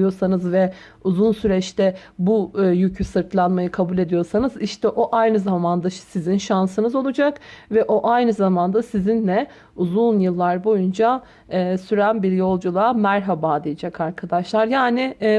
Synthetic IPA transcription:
jo̞ɾsanɯzvɛ | uzunsyɾɛt͡ʃt̪ʰɛbujycʰysɯɾt̪ʰlˠanmajɯkʰabulʲe̞d̪ijo̞ɾsanɯziʃt̪ʰɛʔo̞ʔajnɯzamand̪asizinʃansɯnɯzo̞lˠud͡ʒakvɛʔo̞ʔajnɯzamand̪asizinlʲɛ | uzunjɯlˠːaɾbo̞jund͡ʒaː | syɾænbiɾjo̞lˠd͡ʒulˠamæɾɦabaːd̪ijid͡ʒɛkʰaɾkʰad̪aʃlˠaɾjaːnɪ

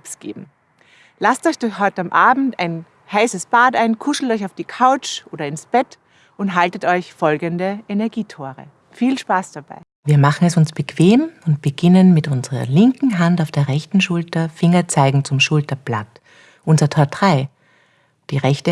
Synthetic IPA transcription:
psɡ̥ḛːbm̩ | lastɔʏçtɔɦɔʏtamʔaːbm̩ta̰ɪn | haɪsəsb̥aːtaɪnkʰʊʃl̩tɔʏçaʊfd̥iːkʰaʊt͡ʃʔoːdɐɪnsb̥ɛt | ʔʊntɦaltətɔʏçfɔlɡəndəʔɛnɛɐɡiːtʰoːʁə̰ | fiːlʃpaːsd̥ab̥a̰ɪ | viːɐmaχn̩ɛsʊnsb̥əkʰv̥eːmʊnt̚b̥əɡ̥ɪnənmɪtʊnzəʁɐ̰lɪŋkŋ̩ɦantaʊfd̥eːɐʁɛçtn̩ʃʊltɐfɪŋɐt͡saɪɡŋ̩t͡sʊmʃʊltɐb̥lat | ʔʊnzɐtʰɔːɐtʁaɪ | d̥iːʁɛçtə

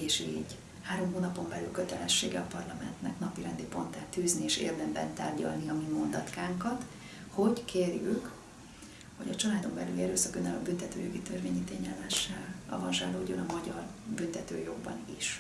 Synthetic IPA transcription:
eːʃḭːɟ | haːɾo̞mɦoːnɒpo̞mbɛlylkø̞t̪ɛlɛʃːḛːɡɛɒpɒrlɒmɛnt̪nɛknɒpiɾɛnd̪ipo̞nt̪aːt̪yːznieːʃḛːrd̪ɛmbɛnt̪a̰ːrɟɒ̰lniɒmimo̞nd̪ɒt̪kaːŋkɒt̪ | ho̞ɟkʰeːrjyk | ho̞̰ɟɒt͡ʃɒlaːd̪o̞mbɛlyliɛɾøːsɒkønːɛlɒ̰bynt̪ɛt̪øːjo̞ɡit̪ørveːɲiːt̪eːɲɛlmɛʃːɛlɒ̰vɒnʒɛ̰ːloːɟonɒmɒɟɒr | bynt̪ɛt̪ø̰ːjo̞ɡ̚bɒ̰niʃ

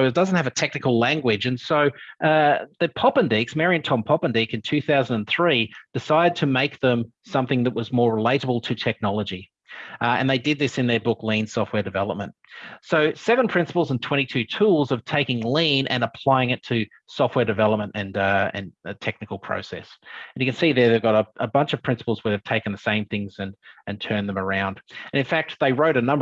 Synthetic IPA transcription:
ʊɨt̚d̥ʌzn̩thɨvɨtʰɛk̚nɨkl̩ˠlæ̃ŋɡwɪd͡ʒɨ̃nsoʊʌðɨpʰɑpɨ̃ndiksmɛɹiɨ̃ntʰɑ̃mpʰɑpɨ̃ndikɨ̃ntʰʉθaʊz̃n̩dɨ̃nθɹid̥ɨsaɪɾɨd̚tʰɨmeɪk̚ðə̃m | sʌ̃mθɪ̃ŋðɨʔ̚wʌzmɔɹɹəleɪɾəbl̩ˠtʰɨtʰɛk̚nɑlˠəd͡ʒi | ɨ̰̃nðeɪdɨd̪̚ðɪsɨ̃nðə˞bʊklĩnsɔft̚wɛ˞dɨvɛ̰lˠəp̚mɨ̃nt̚soʊsɛvə̃npʰɹ̥ɪ̃nsəpl̩ˠzə̃ntʰw̥ɛ̃ɾ̃itʰʉtʰulˠzʌv̥tʰeɪkɪ̃ŋlĩnʔɨ̰̃nəpʰl̥aɪɪ̃ŋɨtʰɨ | sɔft̚wɛ˞dɨvɛlˠəp̚mə̃ntɨ̃nɨ̰̃ntʰɛk̚nɨkl̩ˠpʰɹ̥o̰ʊsɛ̰sɨ̃njɨkɨ̃nsiðə˞ðeɪvɡɑɾəʔəbʌ̃nt͡ʃʌv̥pʰɹ̥ɪ̃nsə̥pl̩ˠzwəɨv̥tʰeɪkɨ̃n̩ðɨsẽɪ̃mθɪ̃ŋzɨ̃nʔɨ̃ntʰɜ̃˞nðɨ̃mə˞ãʊ̃nd̥ɨ̃nɨ̃nfæk̚t̪̚ðeɪɹoʊɾɨnʌ̃mbə

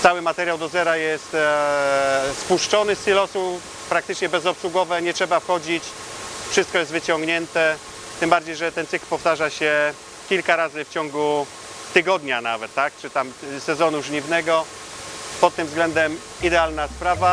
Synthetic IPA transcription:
t̪sawɘmat̪ɛɾjawd̪ɔzɛɾajɛst̪ | spuʂt͡ʂɔnɘst̪ilɔsu | pɾak̚t̪ɘt͡ʂɲɛbɛzɔpswuɡɔvɛɲɛtʂɛbafxɔd͡ʑit͡ɕ | fʂɘst̪kɔjɛst̪vɘt͡ɕɔŋɡɲɛnt̪ɛ | t̪ɘmbaɾd͡ʑejʐɛt̪ɛnsɘklpɔft̪aʐaɕɛ | kʲilkaɾazɘft͡ɕɔŋɡu | t̪ɘɡɔd̪ɲana̰vɛt̪ːakt͡ʂɘt̪amsɛzɔnuʐɲivnɛɡɔ | pɔt̪̚ːɘmvzɡlɛnd̪ɛm | id̪ɛalnaspɾava

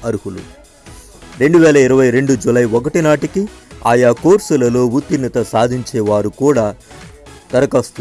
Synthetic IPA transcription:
ɐɾuɦulṵ | ɾe̞ɳɖuʋɛːlɐiɾɐʋɐjɾe̞ɳɖud͡ʒulɐjʋɔk̬ɐʈinaːʈikiaːjaːkoːɾsɐlɐlo̞ːʋut̪ːinːɐt̪ɐsaːd̪ʱiɲt͡ʃɛːʋaːɾukuːɽaː | t̪ɐɾɐkɐst̪u

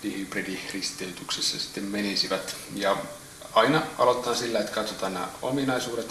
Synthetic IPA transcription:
ʋihipridirist̪eyt̪yksesːæsi̥t̪ːemmenisiʋæt̪jɑ | ɑinɑɑ̰lot̪ːˑɑːnsilːæet̪kɑt̪sot̪ɑːnnæ̰ːo̰minɑisuːdet̪

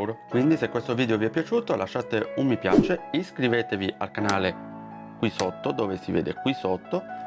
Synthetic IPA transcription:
wɾokwind̪isekwest̪oviːd̪eoviɛpːjat͡ʃuːt̪olʔaʃːaːt̪eummːipja̰ːt͡ʃeiskɾiveːt̪eviʔa̰lkanaːle | kwisot̪ːod̪oːvesivḛːd̪ḛkwisot̪ːo

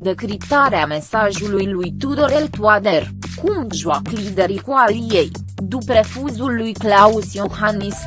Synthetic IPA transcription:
d̪e̞kɾipt̪aɾeame̞saʒulujlujt̪ud̪oɾelt̪uad̪er | kumʒuaklid̪e̞ɾikualijej | d̪upɾe̞fuzulːujklausjohanis

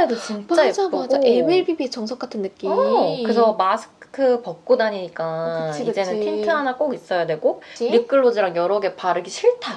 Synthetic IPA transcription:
dot͡ɕint͡ɕ͈aed͡ʑ͈aebeɭbibit͡ɕʌŋsʰok͈atʰɯnːɯk͈imkɯsʰʌmasʰɯ̥kʰɯpʌk̚k͈unaɲiɲik͈aid͡ʑe̞nɯntintʰɯɦanak͈oɡis͈ʌjadwe̞ɡonɯk͈ɯɭːod͡ʑiɾaŋjʌɾʌɡe̞paɾɯɡiɕʰiɭtʰa

